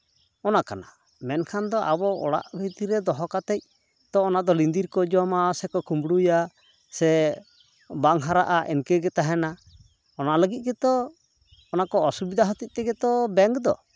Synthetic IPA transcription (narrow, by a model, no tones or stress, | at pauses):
ɔnakana̰ | mɛnkʰand̪ɔʔabɔɔ̰ɽa̰ʔbʱit̪iɾɛd̪ɔɦɔkat̪ɛc̚ | t̪ɔːnad̪ɔlind̪iɾkɔd͡ʒɔmasɛkɔkʰumbɽuja | sɛ | baŋɦaɾaʔaʔɛnkɛɡɛt̪aɦɛna | ɔnaləɡit̪̚ˀɡɛt̪ɔː | nakɔɔsubid̪aɦɔt̪ic̚t̪ɛɡɛt̪ɔbɛŋɡd̪ɔ̰